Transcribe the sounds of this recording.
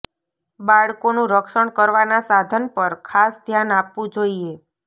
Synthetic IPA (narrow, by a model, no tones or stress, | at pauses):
baɭkonũɾəkʃəɳkəɾʋanasad̪ʱənpəɾkʰasd̪ʱjanapʋũd͡ʒoie